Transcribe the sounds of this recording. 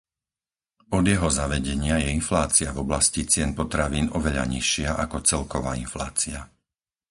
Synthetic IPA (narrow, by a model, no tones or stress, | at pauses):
ɔd̪jɛɦɔzaʋɛɟɛɲɪajɛinflaːt͡siavɔblascit͡sɪɛnpɔt̪ɾaʋiːnɔʋɛʎa̰ɲiʃɪaʔakɔt͡sɛlkɔʋaːinfla̰ːt͡sia